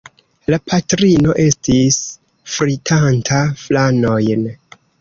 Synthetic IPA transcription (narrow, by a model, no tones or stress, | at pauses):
lapʰatɾino̞ʔe̞stis | fɾitʰantʰaflano̞jn